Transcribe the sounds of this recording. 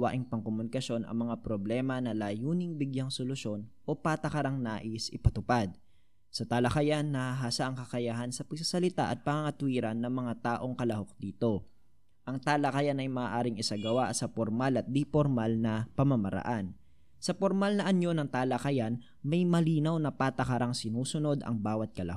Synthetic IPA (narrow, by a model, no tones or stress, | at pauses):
wa̰ʔɪŋpɐŋkomʊnɪkɐʃo̞nɐ̰ŋmɐŋapɾoblɛːmɐnɐlaːjuːnɪŋbɪɡjaŋsolʊʃo̞nʔo̞pat̪ɐkɐɾaŋnaːʔɪsʔɪpɐt̪ʊpad̪̚ | sɐt̪aːlɐkɐjanːɐhaɦaːsaʔɐŋkɐkɐjaɦɐnsɐpɐɡ̚sɐsɐlɪt̪a̰ʔɐt̪̚pɐŋaŋɐt̪ʊwiːɾɐnːɐŋmɐŋat̪aːʔo̞ŋkɐlɐho̞k̚d̪iːt̪o̞ | ʔɐŋt̪aːlɐkɐjanɐjmaːʔaːɾɪŋɪsaɡɐwasɐpoɾmalɐt̪̚d̪ipoɾmalnɐpɐmɐmɐɾɐ̰ʔan | sɐpoɾmalnɐʔɐnjo̞nɐŋt̪aːlɐkɐjan | mɐjmɐliːnɐwnɐpaːt̪ɐkɐɾaŋsɪnuːsʊno̞d̪ɐ̰ŋbaːwɐt̪̚kɐlɐ̰h